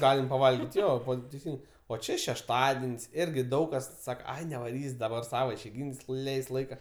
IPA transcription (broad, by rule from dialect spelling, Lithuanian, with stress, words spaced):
ˈɡɑːlʲɪm pɐˈʋɐlʲɡʲɪtʲ ˈjoː ˈʋɐt tʲɛɪˈsʲɪn oː ˈt͡ʃʲeː ʃʲɛʃˈtɑːdʲɛnʲsʲ ˈɪrʲɡʲɪ ˈdɐʊk kɐs ˈsɑːkɐ nʲɛʋɐˈrʲiːsʲ dɐˈbɐr ˈsɑːʋɐ ɪʃʲɛɪˈɡʲiːnʲsʲ ˈlʲɛɪsʲtʲ lˠɐɪkɐ